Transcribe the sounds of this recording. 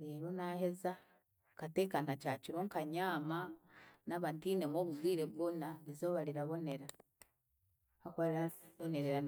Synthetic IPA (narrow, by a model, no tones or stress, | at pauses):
ɾeːɾo̞nahe̞za | kateːkanacaciɾoŋkaɲaːmanaβantiːnemoːβuβwiːɾeβɡonaβizo̞βaɾiɾaβo̞ne̞ɾa | akoɾaoneɾeɾa